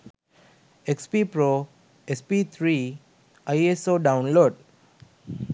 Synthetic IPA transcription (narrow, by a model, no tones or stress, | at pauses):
ekspipɾo | espit̪ʰɾi | ajesoɖaʊ̃nloːɖ